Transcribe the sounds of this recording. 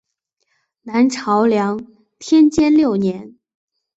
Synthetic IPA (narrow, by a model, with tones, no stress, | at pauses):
na˧˥nʈ͡ʂʰɑ˧˥ʊljɑ˧˥ŋ | t̪ʰjɛ˥nt͡ɕjɛ˥nljo˥˩ʊnjɛ˧˥n